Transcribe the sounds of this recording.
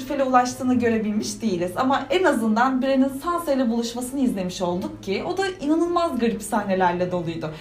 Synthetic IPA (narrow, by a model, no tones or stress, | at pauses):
ɾfelʲɛulˠaʃt̪ʰɯːnaɟø̞ɾe̞bilʲmiʃd̪ijilʲiz̥amaenazɯnd̪anbiɾeninsansajlʲɛbulˠuʃmasɯnɯizlʲe̞miʃo̞lˠd̪uk̚cʰɪo̞d̪ainanɯlˠmazɡaɾipsaɦne̞lʲæɾlʲɛd̪o̞lˠujd̪ʊ